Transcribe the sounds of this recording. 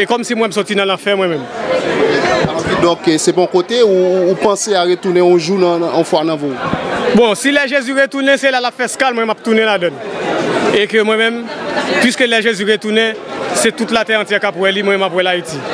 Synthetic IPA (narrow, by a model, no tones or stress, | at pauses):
ekɔmsimwɛ̃msɔtinɐ̃lãfɛmwɛ̃mɛ̃m | id̪ɔ̃ksepɔ̃kot̪euːpãseaɣet̪unẽɔ̃ʒunãɔ̃fwanãvobɔ̃silɛʒezyɣet̪unɛ̃selalapfɛskalmwɛ̃mɛmap̚t̪unẽladãn | ekømw̃ɛ̃mɛ̃mpɥiskølɛʒezyɣet̪unɛ̃set̪utlat̪ɛɐ̃tjɛkapwɛlimwɛ̃mɛ̃mapwɛlaiti